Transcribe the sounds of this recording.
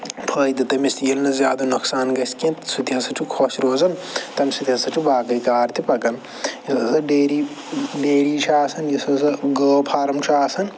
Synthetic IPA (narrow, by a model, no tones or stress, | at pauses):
pʰəːjd̪it̪ɐmist̪ijilnɐzjaːd̪ɐnuksaːnɡɐsʲkẽsut̪iɐsɐʈʰukʰoʃɾoːzɐnt̪ɐmsut̪iɐsɐʈʰibaːɡɐjkaːɾt̪ʰipɐɡɐn | jɐsɐsɐɖeːɾiː | ɖeːɾiːt͡ʃʰaːsɐnjɐsɐsɐɡəːpʰaːɾɐmt͡ʃʰaːsɐn